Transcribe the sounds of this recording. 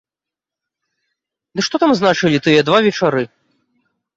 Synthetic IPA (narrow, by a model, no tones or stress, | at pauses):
d̪ɨʂt̪ɔt̪amznat͡ʂɨlʲit̪ɨjɛd̪vavʲɛt͡ʂaɾɨ